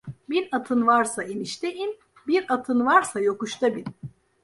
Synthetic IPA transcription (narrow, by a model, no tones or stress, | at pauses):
biɾat̪ʰɯnvaɾsainiʃt̪ʰejim | biɾat̪ʰɯnvaɾsajo̞kuʃt̪ʰabin